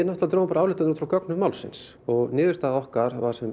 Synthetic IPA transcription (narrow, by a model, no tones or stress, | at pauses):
ɛnɔht̪at̪ɾowmapaɾaaːwlɪht̪anɾt̪ɾawkœknʏmawlsɪ̰ns | ɔɣnɪːðʏɾst̪aːðɔhkaɾva̰ɾ̥sɛm